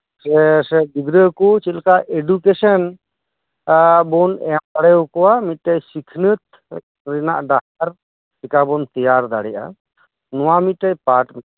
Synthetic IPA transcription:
sɛsɛd̪ibɾəkut͡ʃit̪lakaʔeɖukesən | bɔnɛmb̪aɽɛukɔwamit̪̚ʈɛjsikʰnət̪̚ | ɾɛna̰ʔɖaɦaɾ | ʈikabɔnt̪ijaɾd̪aɽɛjʔa̰ | nɔwamit̪̚ʈɛjpaʈmi

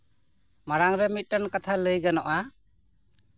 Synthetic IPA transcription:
maɾaŋɾɛmit̪̚ʈankat̪ʰaləjɡanɔʔa

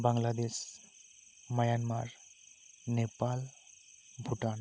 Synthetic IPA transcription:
baŋlad̪es | majanmaɹ | nepal | bʱutan

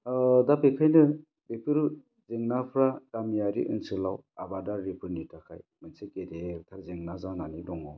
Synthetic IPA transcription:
dapekʰajnɯ | bepʰɯɾ | zeŋnapʰɾakamijaɾḭʔɯ̰nsɯlawabadaɾːepʰɯɾnitakʰajmɯnsekedetʰaɾzeŋnazananidɔŋaw

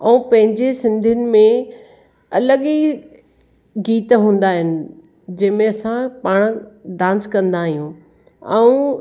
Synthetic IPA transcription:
ɛũpɐ̃ɦɪ̃ɲd͡ʑesɪ̃nd̪ʱijʊnɪ̆mẽ | ɐləɠi | ɡiːt̪ɦũːn̆d̪aːɦɪnɪ̆ | d͡ʑɐ̃ɦɪ̃mẽɐsãpaːɽ̃ɖãːnskɐ̃nd̪aːɦijũː | ɛ̃ũ

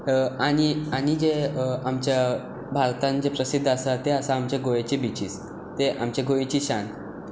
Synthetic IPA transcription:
aɽ̃iañid͡zeamt͡ɕja | bʱaɾt̪ãnd͡ʑepɾəsid̪ʱːasat̪easaːmt͡ɕeɡojet͡ɕibit͡ɕiːs | t̪eʔa̰mt͡ɕeɡojet͡ɕiːɕan

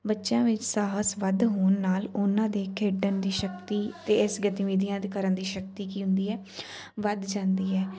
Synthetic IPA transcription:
bətːʃjãːʋɪt͡ʃsaːɦəsʋəd̪ɦoːnːaːlʊnãːd̪eːkʰeːɖənd̪iːʃəkt̪iːt̪eːɪsɡət̪iʋiːd̪ijãːd̪iːkəɾənd̪iːʃək̚t̪iːkiːɦʊ̃nd̪iːɛː | ʋəd̪d͡ʒãːnd̪iːɛː

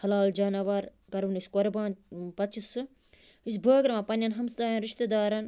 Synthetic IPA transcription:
hɐlaːld͡ʒaːnɐʋaːɾ | kɐɾʋniskoɾbãːnpɐt͡ʃisɨ | is̬bʱəːɡɾmãːpɐnjɐnɦɐmst̪aːjɐnɾiʃt̪ed̪aːɾɐn

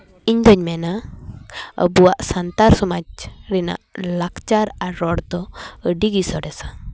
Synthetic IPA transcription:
iɲd̪ɔɲmɛna | ə̰buwaʔsant̪aɾsɔmad͡ʒɾɛna̰ʔlakt͡ʃaɾaɾːɔɽd̪ɔəɖiɡisɔɖɛsḁ

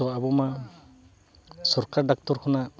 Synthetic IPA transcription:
ɔabɔma | sɔɾkaɾɖak̚t̪ɔɾkʰɔna

